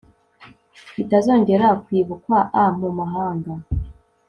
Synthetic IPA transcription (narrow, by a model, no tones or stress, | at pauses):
itazo̞ːɲɟe̞ɾakwiːβukwaʔam̥umaɦaːŋɡa